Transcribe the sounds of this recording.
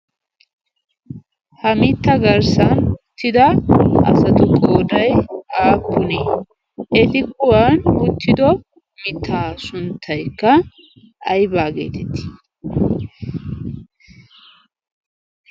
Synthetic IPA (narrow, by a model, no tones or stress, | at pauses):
hɐmɪt̪ːɐɡɐɾsɐnʊt̪ːɪd̪ɐʔɐ̰sɐt̪ʊkʼoːd̪ɐjaːpːʊneː | ʔɛt̪ɪkʊwanʊt̪ːɪd̪ɔ | mɪt̪ʰːaːsʊnt̪ʰːɐjkːɐ | ɐjbaːɡḛːt̪ɛt̪ːɪ̥